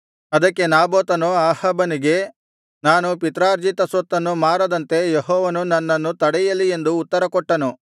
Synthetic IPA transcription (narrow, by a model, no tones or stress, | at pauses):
ɐd̪ɐkːe̞naːboːt̪ɐnuaːhɐbɐniɡe̞ | naːnupit̪ɾaːɾd͡ʒit̪ɐsot̪ːɐnːumaːɾɐd̪ɐnt̪e̞jeɦɔːʋɐnunɐnːɐnːut̪ɐɽɛjɐlie̞nd̪uːt̪ːɐɾɐkɔʈːɐnu